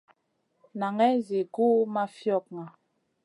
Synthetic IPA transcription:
na˨ŋɛ˦zi˨ɡu˦ma˦fjɔ˦˨k̚ŋa˨

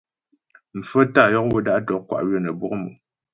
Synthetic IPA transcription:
m̩˨fə˦ta˦˨jɔ˦k̚wə˦da˦ʔtɔ˨˦kwa̰˨ʔɥə˦˨nə˨bwɔ˦kmṵ˨

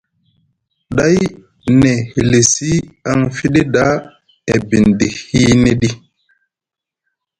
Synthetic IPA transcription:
ɗa˦j | ne˨hi˨le˨si˦a˦ŋfi˦ɗi˦ɗa˦ | e˨bi˨ndi˨hi˦ne˦ɗi˦

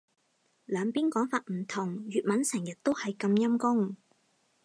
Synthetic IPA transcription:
lœː˨˧ŋpiː˥nkɔː˨˥ŋfaː˧t̚m̩˨˩t̪ʰʊ˨˩ŋɥyː˨t̚mɐ˨˥nsɛ˨˩ŋjɐ˨t̚t̪o˥whɐ˨jkɐ˧mjɐ˥mkʊ˥ŋ

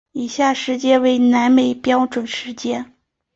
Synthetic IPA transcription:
i˨˩ɕja˥˩ʂɻ̩˧˥t͡ɕjɛ˥we˧˥˩ɪna˧˥nme˨˩ɪpjɑ˥ʊʈ͡ʂwə˨˩nʂɻ̩˧˥t͡ɕjɛ˥n

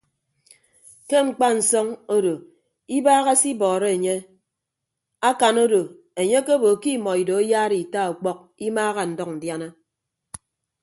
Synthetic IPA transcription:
ke˦ŋ͡m̩˨k͡pa˦n̩˨sɔ˦ŋo˦do˨ | i˦baː˦ɣa˦si˦bɔː˨ɾe˦e˨ɲe˦ | a˦ka˨no˦do˨ | e˨ɲe˦ke˦bo˨ki˦mɔ˨i˨do˨e˦jaː˦ɾi˨i˨ta˦o˨k͡pɔ˦k̚i˦maː˦ɣa˨n̩˨dɔ˦kn̩˨dja˦na˦

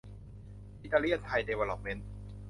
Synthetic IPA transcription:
ʔi˧˥t̪ːaː˧li˥˩ənt̪ʰa˧jdeː˧weː˧lɔ˧˩p̚me˧˥n

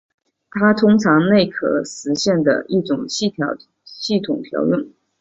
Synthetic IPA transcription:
t̪ʰa˥t̪ʰʊ˥ŋʈ͡ʂʰɑ˧˥ŋne˥˩ɪkʰɤ̰˨˩ʂɻ̩˧˥ɕjɛ˥˩nd̪ə̰˩i˥˩ʈ͡ʂʊ˨˩ŋɕt̪ʰjɑ˧˥ʊ | ɕi˥˩t̪ʰʊ˨˩ŋt̪ʰjɑ̰˧˥ʊjɛ˥˩˦n

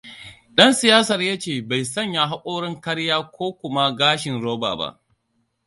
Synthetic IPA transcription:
ɗɐ˦nsɪ˨jaː˦sɐ˨rjaː˦t͡ʃeː˨ba˨jsɐ˦˨ɲja˨ɦa˦kʷʼoː˦ɽɪ˦ŋkɐ˦ɽjaː˦kʷʰoː˦kʷʊ˨ma˦ɡaː˦ʃɪ˨nɽoː˦ba̰ː˨ba̰˦ʔ

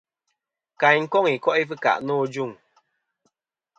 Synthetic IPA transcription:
ka˨ɲŋ̩˦kɔ˦˨ŋi˨kɔ˦ʔi˦fɨ˦ka̰˨ʔnɔː˦d͡ʒu˦˨ŋ

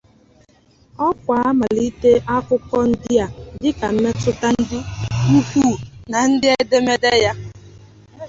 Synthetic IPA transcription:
ɔ˦kʷa˨a˦ma˨li˦te˦ʔa˦kʊ˦kɔ˦n̩˦dɪ˦a˨dɪ˦ka˨m̩˦me˦tʊ˦ta˦n̩˦dɪ˦ŋu˦kʷuː˦˨na˨n̩˦dɪ˦e˦de˦me˦de˦ja˦

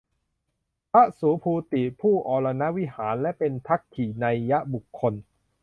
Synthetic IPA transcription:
pʰa˦˥suː˨˩˦pʰuː˧t̪i˨˩pʰuː˥˩ʔɔː˧la˧na˦˥ʔwi˦˥haː˩˦nlɛ˦˥ʔpe˧nt̪ʰa˦˥kkʰːiː˨˩na˧jːa˦˥ʔbu˨˩kʰːo˧n

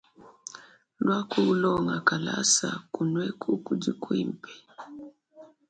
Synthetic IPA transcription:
lwa˦kʰu˦u˦lɔ˦ŋa˨ka˨la̰˦sa̰˨ku˨nwɛ˦kʰu˦ku˦d͡ʒi˦kwi˦m˨pɛ̥˨

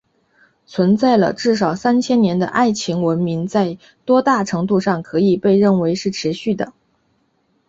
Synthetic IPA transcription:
t͡sʰwə˧˥nt͡sa˥˩ɪlə̰˩ʈ͡ʂɻ̩˥˩ʂ̬ɑ˨˩ʊsa˥nt͡ɕʰjɛ˥nnjɛ˧˥nd̪ə̰˧ʔa˥˩ɪt͡ɕʰi˧˥ŋwə˧˥nmi˧˥ŋt͡sa˥˩ɪ | t̪wɔ˥t̪a˥˩ʈ͡ʂʰɤ˧˥ŋt̪u˥˧ʂɑ˥˩ŋkʰɤ˧˥i˨˩pe˥˧ɪɻə˥˩nwe˧˥ɪʂɻ̩˥˩ʈ͡ʂʰɻ̩˧˥ɕy˥˩d̪ə˩

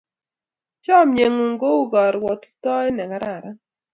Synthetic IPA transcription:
t͡ʃɔ˦˨mje˨ŋo˨ŋɡo˦u˦ɡɔ˨ɾwɔ˨t̪tɔ˦ɛ˦nɛ˨ka˨˦ɾa˨ɾa˦

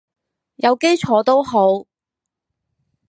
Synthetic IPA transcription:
jɐ˨˧wke˥jt͡ʃʰɔː˨˧˥t̪o˥wɦo˨˥w

